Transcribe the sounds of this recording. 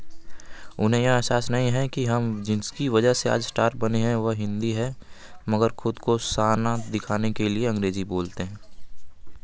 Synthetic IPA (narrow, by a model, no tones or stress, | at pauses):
ʊnɦẽj̃asaːsnɐɦĩɦɛ̃kiɦɐmd͡ʒɪskiʋɐd͡ʒəɦsea̰ːd͡ʒsʈaːɾʈ̚bɐneɦɛ̃ʋəɦɦɪ̃nd̪iɦɛ | məɡəɾxʊd̪kosaːnad̪ɪkʰaːnekelieɐ̃ŋɾeːziboːlt̪eɦɛ̃ː